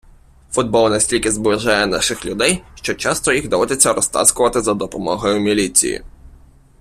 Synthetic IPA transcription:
fʊd̪̚bɔlˠnesʲtʲilʲkʲɪzbɪʒajɛnɑ̰ʃɪxlʲʊd̪ɛjʃt͡ʃɔt͡ʃɑst̪ɔjixɣd̪ɔʋɔd̪et͡sʲːɐɾɔst̪ɑ̰skʊʋɐt̪ɪzɐd̪ɔpɔmɔɦɔjʊmʲilʲit͡sʲḭjḭ

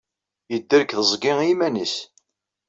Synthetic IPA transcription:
jəd̪ːəɾkθəzˤɡɪŋimænis

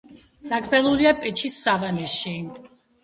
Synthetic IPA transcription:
d̪̥akʼɾzʼɛlˠuliapʼɛt͡ʃʰisːavanɛʃi

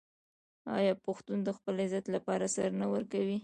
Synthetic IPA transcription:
ɑ̰jɑpʊxt̪und̪əxpəlɪzat̪lapɑɾasaɾnawəɾkawi

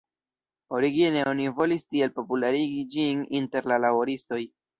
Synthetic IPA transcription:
o̞ɾiɡine̞o̞nivo̞listie̞lpo̞pulaɾiɡid͡ʒininte̞ɾlalabo̞ɾisto̞j

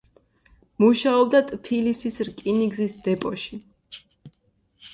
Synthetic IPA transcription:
muʃaɔb̚d̪at̪ʼpʰilisisɾkʼiniɡzisd̪ɛpʼɔʃi

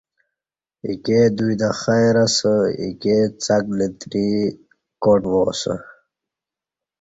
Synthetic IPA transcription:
iked̪ujd̪axajɾasəḭket͡saklit̪ɾi | koʈwosə̰

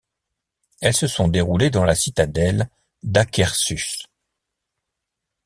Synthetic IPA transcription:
ɛlsəsɔ̃d̪eʁuled̪ɑ̃lasit̪ad̪ɛl | d̪akʲɛʁsys

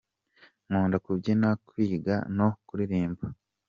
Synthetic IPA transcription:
ŋuːndakubɟinakwiːɡa̰no̞kuɾiɾiːmba

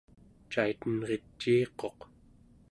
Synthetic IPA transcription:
t͡ʃait̪ənʁe̞t͡ʃːiːqo̞q

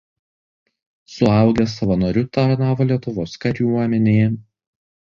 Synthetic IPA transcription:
sʊɐˑʊɡʲɛsɐʋɐnoːɾʲʊt̪ɐɾnɑːʋoːlʲiɛt̪ʊʋoːskɐɾʲjuɔmʲɛnʲeːjɛ

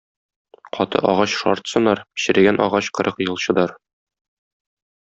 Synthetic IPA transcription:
qʰɒt̪ɤ̰ʔɒʁɑɕʃɒ̰ɾt̪sɤ̆nːɑɾpɕɘ̆ɾæ̆ɡænʔɒ̰ʁɑɕqɤ̆ɾʔɤqjɤ̆lˠɕɤ̆d̪ɑɾ

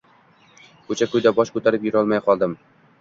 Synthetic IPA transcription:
kʰɵt͡ʃʰakɵjd̪abɒʃkɵt̪ʰaɾɪpjʊɾɒlˠmajqʰɒlˠd̪ɪm

